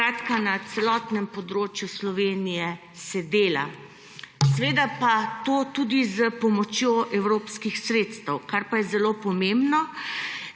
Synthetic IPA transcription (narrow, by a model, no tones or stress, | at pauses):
ɾaːt̪kanat̪sɛlɔt̪nɛmpɔd̪ɾoːt͡ʃjuslɔʋeːnijɛ | sɛd̪eːla̰ | sɛʋeːd̪apat̪oːt̪ud̪izəpɔmɔt͡ʃjoʔɛwɾoːpskixsɾeːt̪st̪əwkaɾpajɛzɛlopɔmembnɔ